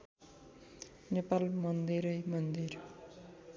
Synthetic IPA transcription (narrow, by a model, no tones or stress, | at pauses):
nepalmʌnd̪iɾʌjmʌnd̪ir